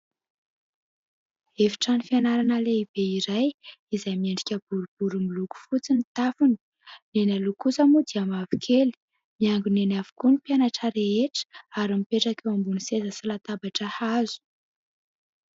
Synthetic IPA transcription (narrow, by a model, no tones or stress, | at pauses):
efi̥ʈ͡ʂanifianaɾanəleib̥eiɾajizajmieɳɖ͡ʐikʲəb̥uɾub̥uɾumiluku̥fut͡sinit̪afuni̥ | nenalukusamud̪iamavi̥kʰeli̥ | miaŋɡunenavu̥kunipjanaʈ͡ʂəɾeeʈ͡ʂə̥aɾimipeʈ͡ʂakewambunisezəsilat̪abaʈ͡ʂəhazu̥